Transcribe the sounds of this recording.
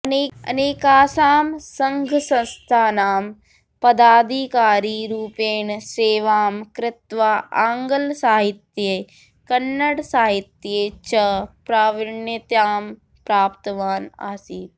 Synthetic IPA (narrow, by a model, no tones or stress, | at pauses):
ɐneːɐ̰neːkaːsaːmsɐ̃ŋɡʱsɐ̃nst̪ʰaːnaːm | pɐd̪aːd̪ʱikaːɾiːɾuːpeːnseːʋaːmkɾɪt̪ʋaaːŋɡəlsaːɦɪt̪jeː | kɐnːəɽsaːɦit̪jeːt͡ʃɐpɾaːʋɪɳjɐt̪jaːm | pɾaːpt̪ɐʋaːna̰ːsiːt